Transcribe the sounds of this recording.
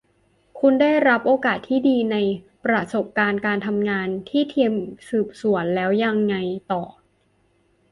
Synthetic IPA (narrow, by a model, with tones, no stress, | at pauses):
kʰu˧nda˥˩jɾa˦˥p̚ʔoː˧kaː˨˩t̪ʰːiː˥˩diː˧na˧j | pɾa˧so˨˩p̚kaː˧nkaː˧nt̪ʰa˧mŋaː˧nt̪ʰiː˥˩t̪ʰi˧əmsɯː˨˩p̚su˨˩˦ənlɛː˦˥wja˧ŋːa˧jt̪ɔː˨˩